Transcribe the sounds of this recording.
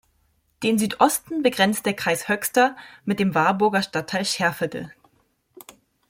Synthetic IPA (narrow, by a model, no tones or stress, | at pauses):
d̥eːnzyːtʔɔstn̩bəɡʁɛnt͡st̚d̥eːɐkʁ̥aɪshœçstɐmɪt̚d̥eːmvaɐbʊɐɡɐʃtatʰːaɪlʃɛɐfəɡl̩